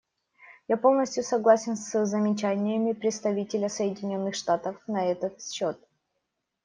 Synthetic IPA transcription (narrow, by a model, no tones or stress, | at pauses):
japo̞lˠnəsʲtʲjʊsɐɡlˠasʲɪnsɨzəmʲɪt͡ɕænʲɪjəmʲɪpɾʲɪt̪st̪ɐvʲitʲɪlʲəsəjɪdʲɪnʲo̞nːɨxʂt̪at̪əfnɐɛt̪ət̪fɕot̪̚